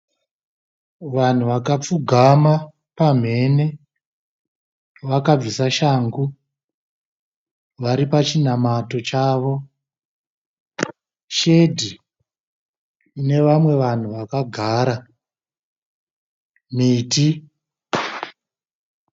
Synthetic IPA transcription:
ʋan̤uʋakap͡fuɡʱama | pam̤e̞ne | ʋakab͡visaʃaːŋɡu | ʋaɾipat͡ʃin̤amato̞t͡ʃaːʋo̞ | ʃe̞dʱi | ne̞ʋamwe̞ʋan̤uʋakaɡʱaːɾa | miːti

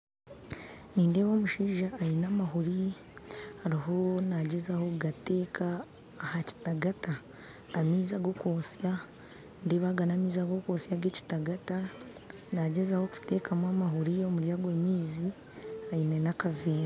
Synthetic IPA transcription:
niːnde̞ːβoːmuʃiːʒaːinamaɦuɾi | haɾiɦo̞naɟe̞zaho̞ɡateːkʰaː | haci̥taɡataː | miːzaɡo̞koːsja | ndeːβaɡanamiːzaɡo̞koːsjaɡe̞ːci̥taɡata | naɟezaho̞ku̥te̞kamwaːmaɦuɾijo̞muɾjaɡweːmiːzi | ajinenakaviːɾa

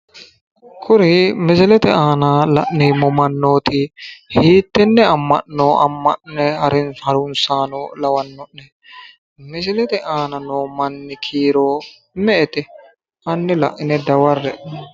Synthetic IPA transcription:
kʰʊɾɪmɪsɛlɛt̪ɛaːnaːlɐ̰ʔnɛmɔmɐnːoːt̪ɪhiːt̪ːɛnːɛɐmːɐ̰ʔnoːɐ̰mːɐ̰ʔnɛhɐɾɪnhɐɾʊnsaːnoːlɐwɐnːɔʔːɛ | mɪsɛlɛt̪ɛʔaːnɐnoːmɐnːɪkʰiːɾoː | mɛʔɛt̪ɛ | ɐnːɪlɐ̰ʔːɪnɛd̪ɐwɐrːɛ

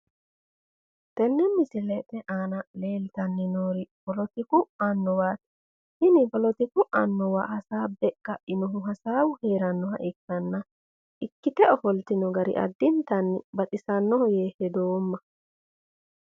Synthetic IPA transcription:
t̪ɛnːɛmːɪsɪlɛt̪ːɛʔaːnɐle̞ːlt̪ɐnːɪnoːɾɪpɔlɔt̪ɪkʊɐnːɔwaːt̪ | hɪnɪpɔlɔt̪ɪkʊʔɐnːɔwaːʔɐsaːbɛkːɐɪnɔɦʊɦɐsaːwʊheːɾɐnːɔɦɐ̰ʔɪkːɐnːɐ | ʔɪkːɪt̪ɛɔfɔlt̪ɪnɔɡɐɾɪ̰ʔɐ̰d̪ːɪnt̪ɐnːɪbɐt̪ʼɪsɐnːɔhɔjeːhɛd̪oːmːɐ

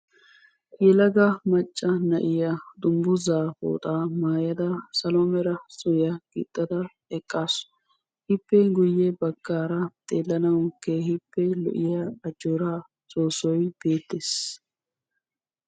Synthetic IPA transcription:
jɛlɐɡɐmɐt͡ʃʼːɐnɐ̰ʔɪjɐd̪ʊmbʊzaːfo̰ːt̪ʼaːmaːjɐd̪ɐsɐlomɛɾɐsɔjɐɡ̥ɪ̰t̪ʼːɐd̪ɐ | ɛkʼːaːs | hɪpːɛɡʊjːɛbɐɡ̥ːaːɾɐt̪ʼeːlːɐnɐwkehɪpːɛlɔ̰ʔɪjɐɐd͡ʒoɾaː | sʼoːsɔjb̥e̞ːt̪ːeːs

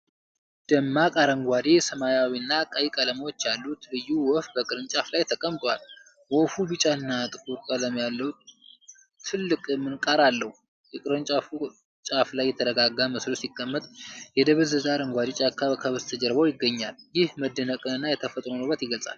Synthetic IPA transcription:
d̪̥əmːakʼaɾəŋɡʷad̪esəmajawinːakʼajikʼələmwot͡ʃːjalːut̪lɨjːuwɔfbəkʼɨɾɨnt͡ʃʼaflajt̪ʰəkʼəmt̪ʼwal | wɔfubɨt͡ʃʼaɨnːat̪ʼɨkʼuɾkʼələmjalːəw | t̪ʰɨlːɨkʼmːɨnkʼaɾalːəhu | jɛkʼɨɾɨnt͡ʃʼaf | t͡ʃʼaflajːɛt̪ʰəɾəɡaɡaməslosikʼːəmːət̪ʼjɛd̪əβɨzəzaɾəŋɡʷad̪et͡ʃʼakʰːaβəkʰəβɨzt̪ʰəd͡ʒəɾbəwjɪɡːəɲːaljɪhməd̪ːənəkʼɨɨnːajɛt̪ʰəfət̪ʼɾonəwbːət̪jɪɡəlt͡ssʼa̰l

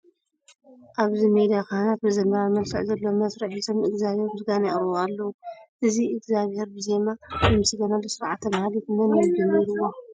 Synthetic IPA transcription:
ʔaβzimed̪iakanat̪̚bɨzɐnɐɾamɐlfɨʕzɐlːomɐsɾɨħit̪ʰomɨɡzaβhe̞ɾmɨsɡanɛʔʼɾoalːɐwuʔɨziɨɡzaβhe̞ɾbɨzemamɨmɨsɨɡɐnalːosɨɾʕat̪ʰːɐmahalit̪mɐnjɐd͡ʒɐmːiɾuwːo

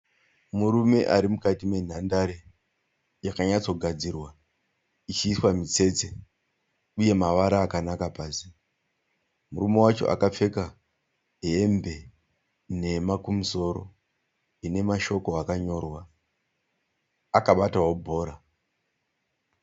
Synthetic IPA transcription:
muɾume̞ʔaɾimukatime̞n̤andaɾe | jakaɲat͡so̞ɡʱad͡zirwa | it͡ʃiːswamit͡se̞t͡se | uje̞maʋaɾaːkanakapaːsi | murume̞wat͡ʃo̞̰ʔa̰kap͡fe̞ka | ɦembe̞ | ne̞makumuso̞ɾo̰ | ine̞maʃo̞ko̞akaɲo̞ːrwa | akaɓataɦwo̞bʱo̞ːɾa

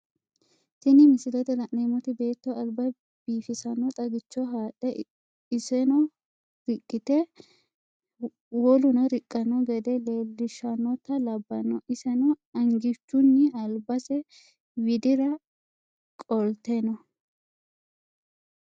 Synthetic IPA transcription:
sɪnɪmɪsɪlɛt̪ɛlɐʔneːmɔt̪ɪbe̞ːt̪ːɔʔɐlbɐ | b̥iːfɪsɐnɔt̪ʼɐɡɪt͡ʃːɔɦaːtʼːɛ | ɪsɛnɔ | ɾɪkʼːɪt̪ɛ | wɔlʊnɐɾɪkʼːɐnɔɡɛd̪ɛle̞ːlːɪʃɐnːɔt̪ːɐlɐbːɐnɔʔɪsɛnɔɐŋɡɪt͡ʃːʊnːɪɐlbɐsɛ | wɪd̪ɪɾɐ | kʼɔlt̪enɔ

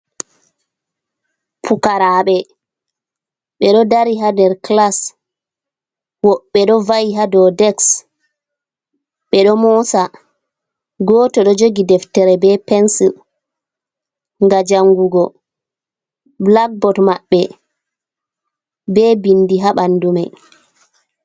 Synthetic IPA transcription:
pʰukaɾaɓɛ | ɓɛɗɔdaɾiɦadɛɾklas | wɔɓːɛɗɔvajiɦadɔdɛks | ɓɛɗɔmɔsa | ɡɔːtɔɗɔd͡ʒoɡidɛftɛɾɛbɛpɛnsi | ŋɡad͡ʒaŋɡuɡɔ | blak̚bɔtmaɓːɛ | bɛbindiɦaɓanːdumɛ

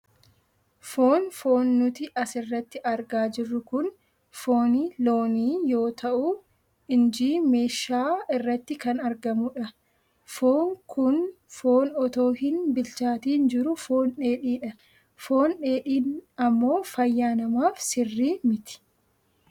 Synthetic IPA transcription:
foːnfo̞ːnːʊt̪ɪʔɐsɪrːɐt̪ːɪʔɐɾɡaːd͡ʒɪrːʊkʊn | foːnilo̞ːniːjo̞ːt̪ɐʔʊ | ɪnd͡ʒiːme̞ːʃaːɪrːɐt̪ːɪkɐnɐɾɡɐmʊᶑɐ | foːŋkʊn | foːnɔt̪o̞ːɦɪnbɪlt͡ʃaːt̪iːnd͡ʒɪɾʊfo̞ːnᶑe̞ːᶑiːᶑɐ | fo̞ːnᶑeːᶑiːnɐmːo̞ːfɐjːaːnɐmaːfsɪrːiːmɪt̪ɪ̥

